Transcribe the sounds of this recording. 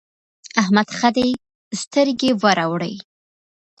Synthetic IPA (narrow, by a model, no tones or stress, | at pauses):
ahmad̪xad̪e | st̪əɾɡewaɾawɽə̰j